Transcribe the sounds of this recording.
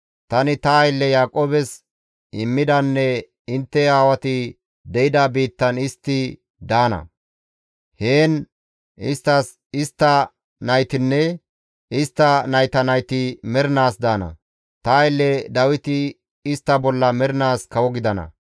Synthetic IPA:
t̪ɐnɪt̪ɐːjɪlːɛjaːkʼoːbɛs | ɪmːɪd̪ɐnːɛ | ɪnt̪ːɛaːwɐt̪ɪ | d̪ɛʔɪd̪ɐbiːt̪ːɐnɪst̪ːɪ | d̪aːnɐ̰ | heːn | ɪst̪ːɐs | ɪst̪ːɐ | nɐjt̪ɪnːɛ | ɪst̪ːɐnɐjt̪ɐnɐjt̪ɪmɛɾɪnaːsd̪aːnɐ̰ | t̪ɐːjlːɛd̪ɐwɪt̪ɪ | ɪst̪ːɐbɔlːɐmɛɾɪnaːskɐwɔɡɪd̪ɐnɐ̰

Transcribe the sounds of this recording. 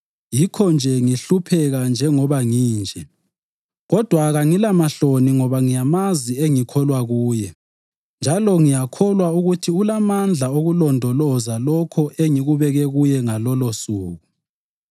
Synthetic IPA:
jikʰɔnd͡ʒʱɛŋiɬupʰɛɣand͡ʒʱɛŋɔβaŋiːnd͡ʒʱɛ | ɣɔd̥ʱwaɣaŋilamaɬoniŋɔβaŋijamazieŋikʰɔlwaɣuːjɛ | nd͡ʒʱalɔŋijakʰɔlwauɣutʰiulamand͡ɮʱaoɣulɔndʱɔlɔzalɔkʰɔʔeŋiɣuβɛɣɛɣujɛŋalɔlosuːɣu

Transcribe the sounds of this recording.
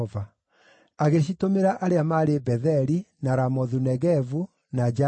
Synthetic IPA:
va | aɣeɕ̬itomeɾaʔaɾeamaɾebɛðɛɾinaɾamɔðunɛɣɛvu | nad͡ʒa

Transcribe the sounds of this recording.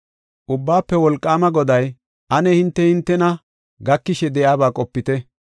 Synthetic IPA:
ʔʊbːaːpːɛwɔlkʼːaːmɐɡɔd̪ɐj | ʔɐnɛhɪnt̪ːɛhɪnt̪ːɛnɐ | ɡɐkːɪʃɛd̪ɛʔaːbaːkʼɔpːɪt̪ɛ

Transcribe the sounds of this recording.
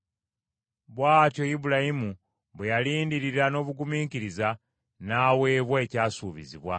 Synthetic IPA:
βwaːtjo̞jiβulajimu | βwejaliːndiɾiɾano̞ːβuɡumiːŋkiɾiza | naːwe̞ːβwaecaːsuːβḭziβwa

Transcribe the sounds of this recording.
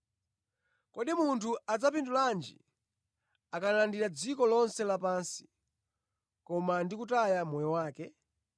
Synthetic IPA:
kɔɗimuntʰuad͡zapinduland͡ʒḭ | akanlandiɾad͡zikɔlɔnsɛlapansi̥ | kɔmandikutajamɔjɔwaːkɛ

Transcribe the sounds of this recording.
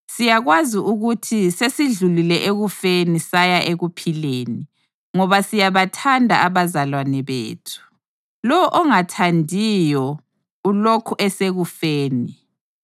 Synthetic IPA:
sijaɣwaziʔuɣutʰisesiɮulilɛʔeɣufenisajaʔeɣupʰileːni | ŋɔβasijaβatʰandʱa̰aβazalwanɛβḛːtʰu̥ | lɔɔʔɔŋatʰandʱijɔ | ulokʰuʔɛseɣufeːni

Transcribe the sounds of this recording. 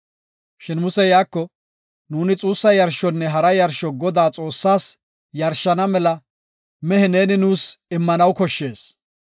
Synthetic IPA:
ʃɪnmʊsɛjaːkːɔ | nuːnɪt͡sʼuːsːɐjɐɾʃɔnːɛɦɐɾɐjɐɾʃɔɡɔd̪aːt͡sʼo̞ːsːaːs | jɐɾʃːɐnɐmɛlɐ | mɛhɛne̞ːnɪnuːsɪmːɐnɐwkɔʃːe̞ːs

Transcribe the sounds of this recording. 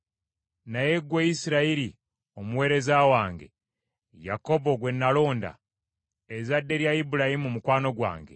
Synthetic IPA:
naje̞ɡweisiɾaiɾi | o̞muwe̞ːɾe̞zawaːŋɡe̞̰ | ja̰ko̞bo̞ɡwe̞nːalo̞ːnda̰ | ezadːe̞ɾjaibuɾahimumukwaːno̞ɡwa̰ːŋɡe

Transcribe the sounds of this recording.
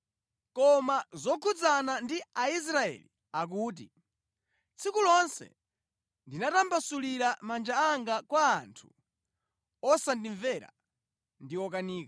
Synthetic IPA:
kɔmazɔkʰud͡zanandiais̬ɾaɛ̰li | ak̬uːt̬ḭ | t͡sʰikulɔnsɛ̰ | ndinatambasuliɾamand͡ʒaːŋɡakwaːntʰu̥ | ɔsandiɱvɛɾa̰ | ndiɔk̬aniːka

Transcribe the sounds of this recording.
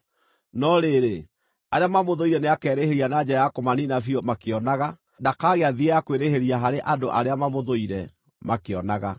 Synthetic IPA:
nɔɾeɾe | aɾeamamoðoiɾɛneakɛːɾeheɾianad͡ʒɛajakomaninafiɔmakeɔnaɣa | dakaɣeaðiɛjakweɾeheɾiaɦaɾeʔadoʔaɾeamamoðoiɾɛ | makeɔnaɣa

